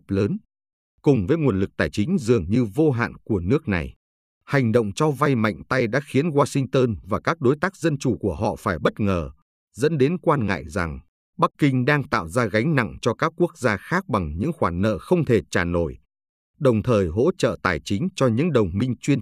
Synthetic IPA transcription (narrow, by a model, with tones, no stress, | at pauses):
p̚ləː˨˦n | kʊ˨˩ŋ͡mvəː˨˦jŋu˨˩ənlɨ˨˩k̚t̪aː˨˩jt͡ɕï˨˦ŋ̟zɨ˨˩əŋɲɨ˧vo˧ɦa̰ː˧˨nku˧˩ənɨ˦˥ək̚na̰˨˩j | ha˨˩jŋ̟ɗo̰˧˨wŋ͡mt͡ɕɔ˧va˧jma̰˧˨jŋ̟t̪a˧jɗa̰ː˧˥xi˨˦ənɣwaː˧sï˧ŋt̪əː˧nvaː˨˩kaː˦˥k̚ɗo˨˦jt̪aː˦˥k̚zə˧nt͡ɕu˧˩ku˧˩əɦɔ̰˧˨faː˧˩jɓə˦˥t̚ŋəː˨˩ | zə̰˧˥nɗe˨˦nkwaː˧nŋa̰ː˧˨jza̰˨˩ŋ | ɓa˦˥kːï˧ŋ̟ɗaː˧ŋt̪a̰ː˧˨wzaː˧ɣa˨˦jŋ̟na̰˧˨ŋt͡ɕɔ˧kaː˦˥kːu˦˥ək̚zaː˧xaː˦˥k̚ɓa˨˩ŋɲɨ̰˧˥ŋxwaː˧˩nːə̰ː˧˨xə˧wŋ͡mt̪ʰe˨˩t͡ɕaː˨˩no˧˩j | ɗə˨˩wŋ͡mt̪ʰəː˨˩jɦo̰˧˥t͡ɕə̰ː˧˨t̪aː˨˩jt͡ɕï˨˦ŋ̟t͡ɕɔ˧ɲɨ̰˧˥ŋɗə˨˩wŋ͡mmï˧ŋ̟t͡ɕwi˧ən